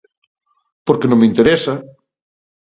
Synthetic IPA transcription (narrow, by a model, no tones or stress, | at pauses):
poɾkenõmeint̪eɾesa